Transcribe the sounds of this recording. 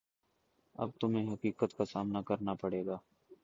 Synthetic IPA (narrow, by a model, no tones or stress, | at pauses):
ɐ̰b̚t̪ʊmẽɦɐkiːkət̪kasaːmnakɐɾnapəɽeːɡaː